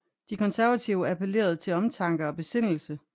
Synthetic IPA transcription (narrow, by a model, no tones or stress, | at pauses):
d̥ikʰɒ̽nsæɐʋæt͡sʰiʊəæpʰele̝̰ːɐð̞̩ˠt͡sʰe̝lɒ̽mt͡sʰɑ̈ŋɡ̥ɐɒ̽b̥e̝se̝n̰l̩sə